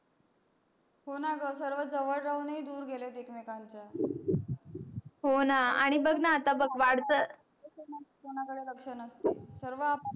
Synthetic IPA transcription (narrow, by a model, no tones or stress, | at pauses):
ɦonaɡəs̬əɾʋəd͡zəʋəɭɾaunid̪uːɾɡʱelet̪ekmekaɲt͡ɕa | ɦonaaɽ̃ibəɡnaːt̪abəɡʋaɽt̪ə | ekonat͡skoɳ̃akəɽeləkʂənəst̪esəɾʋəa